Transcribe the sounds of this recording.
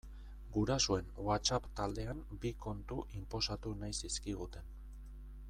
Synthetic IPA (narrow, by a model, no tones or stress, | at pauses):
ɡuɾasue̞nwat͡ʃapt̪ald̪e̞ambiko̞nt̪uʔimpo̞sat̪unajsiskiɣ̞ut̪e̞n